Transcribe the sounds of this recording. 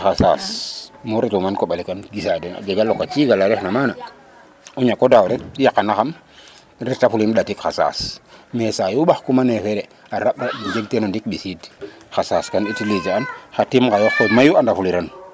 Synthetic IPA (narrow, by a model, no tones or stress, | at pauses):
xasasmuɾetumankoɓalikanɡisadena̰ɡeɡalːokːat͡ʃiɡalaɾexnamana | uɲakːodawɾetjakːanaxam | ɾetafulimɗatikxasa̰smesajuɓaxkumanexeɾe | aɾaɓɾaid͡ʒeɡtenondik̚ɓisidxasaskanitilid͡ʒaanxatimkajoxkomajuandafuliɾan